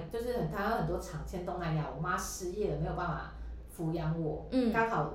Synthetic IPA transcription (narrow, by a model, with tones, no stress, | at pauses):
t͡ɕjo˥˧ʊʂ̬ɻ̩˥˩xə˨˩nt̪ʰa˥jo˧˥xə˨˩nt̪wɔ˥ʈ͡ʂʰɑ˨˩ŋt͡ɕʰjɛ˥nt̪ʊ˥˧ŋla˧˥ɪnja̰˧˨˩wɔ˨˩ma˥ʂɻ̩˥jɛ˥˩d̪ə˩me˧˥jo̥˨˩a˥˩fa̰˨˩ | fu˧˥jɑ˧˥ŋwɔ˨˩˦k̪ɑ˥ŋxɑ˨˩ʊ